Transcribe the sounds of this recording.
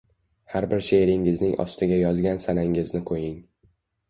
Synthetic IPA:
haɾbɪɾʃeɾɪŋɪznɪŋʔɒ̰st̪ʰɪɡʲajɒzɡʲansanaŋɪznɪqʰojɪŋ

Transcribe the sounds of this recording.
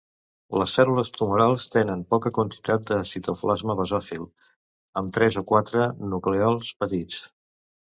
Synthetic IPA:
ləsːɛluləst̪umuɾalˠst̪enənpɔkəkwənt̪i̥t̪at̪̚d̪əsit̪oflazməβəzɔfilˠ | əmt̪ɾɛzokwat̪ɾənukleɔlˠspət̪it͡s

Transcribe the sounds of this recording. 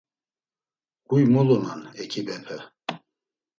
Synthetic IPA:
ɡ̥ujmɔlɔna̰nɛkʰibɛpʰɛ

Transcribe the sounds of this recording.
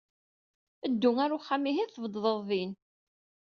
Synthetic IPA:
əd̪ːʊŋæɾuχːamːiɦiθəvd̪ðˤəðˤðin

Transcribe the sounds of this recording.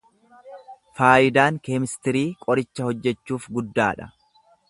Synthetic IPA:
faːjɪd̪aːŋkeːmɪst̪ɪɾiːkʼɔɾɪt͡ʃːɐhɔd͡ʒːɛt͡ʃːuːfɡʊd̪ːaːᶑɐ̥̰

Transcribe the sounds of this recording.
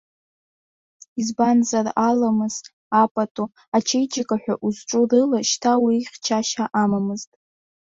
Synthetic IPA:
izbanzaralamɨz̥ | apʼatʼo | at͡ʃʰejd͡ʒakʼaħʷᶣaʔuzʈ͡ʂʼurɨlaʃtʰawiχʲt͡ʃʰaʃaʔamamɨztʼ

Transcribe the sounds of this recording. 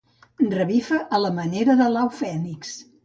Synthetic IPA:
drəβifəʔələməneɾəðəlawfɛniks

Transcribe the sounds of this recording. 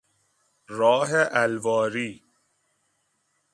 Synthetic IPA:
ɾɔːɦeʔælvɒːɾiː

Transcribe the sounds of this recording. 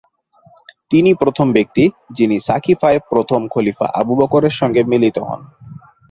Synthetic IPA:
t̪inipɾot̪ʰombek̚t̪i | d͡ʑinisakʰifaepɾot̪ʰomkʰolifa̰ʔa̰bubɔkoɾeɾʃɔŋɡemilit̪oɦɔ̰n

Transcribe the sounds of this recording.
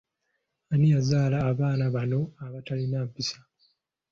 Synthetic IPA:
anijazaːlaːβaːnaβano̞aβatalinaːmpisḁ

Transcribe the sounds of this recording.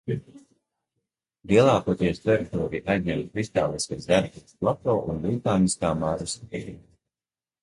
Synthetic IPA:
liɛlˠaːkuɔt̪iɛst̪ɾɔjɛk̚t̪ɔːɾiʔajzɲɛmt̪kɾist̪aːlˠiskazd̪aɾbiplˠat̪ɔːʔunbit̪aːniskaːmaʒus

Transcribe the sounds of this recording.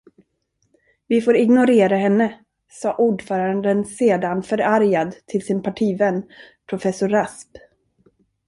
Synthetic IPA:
vɪfoːɾɪɡnʊɾeːɾaɦɛnːə | sɑːʔuːɖfœːɾand̪ənseːd̪anfœɾaɾjad̪t̪ʰɪlsɪnpʰaʈʰiːvɛnː | pʰɾʊfɛsʊɾasp

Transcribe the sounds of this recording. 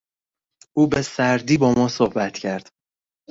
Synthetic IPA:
ʔuːbe̞sæɾd̪iːbɒːmɒːsohbæt̪ʰcʰæɾd̪̥

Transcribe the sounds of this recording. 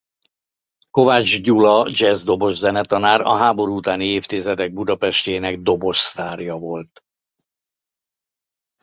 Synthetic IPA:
ko̞vad͡ʒɟulɒd͡ʒɛzd̪o̞bo̞ʒzɛnɛt̪ɒnaːɾɒ̰ɦaːbo̞ɾuuːt̪aːnieːft̪izɛd̪ɛɡ̚bud̪ɒpɛʃceːnɛɡ̚d̪o̞bo̞ʃst̪aːrjɒvo̞lt̪

